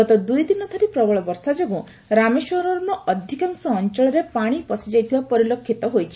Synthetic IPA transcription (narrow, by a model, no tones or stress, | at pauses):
ɔt̪ɔd̪ujd̪inɔt̪ʰɔɾipɾɔbɔɭɔbɔɾsad͡ʒeɡũ | ɾameswɔɾɔɾnɔɔd̪ʱikaŋsɔːnt͡ʃɔɭɔɾepaɽ̃ipɔsid͡ʒajt̪ʰibapɔɾilokʰːit̪ɔɦojt͡ʃʰi̥